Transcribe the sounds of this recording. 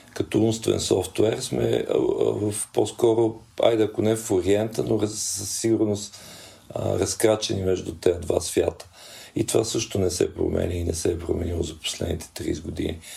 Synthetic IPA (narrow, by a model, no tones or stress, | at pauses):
kɐt̪ɔumst̪vɛ̰nsɔft̪wɛɾsmɛ̰vəfpɔskɔɾo | a̰jd̪ɛɐkʊnɛfoɾiɛnt̪ənoɾɐəsːiɡʊɾnos | ɾɐskɾat͡ʃɛnimɛʒd̪ut̪ɛd̪va̰svʲjat̪ə̥ | it̪ovasɤʃt̪onɛsɛ̰pɾo̰mɛ̰nʲəinɛsɛːpɾomɛnilˠozɐpo̥slɛd̪nit̪ʰɛ̥t̪ɾḭzɡʊd̪ini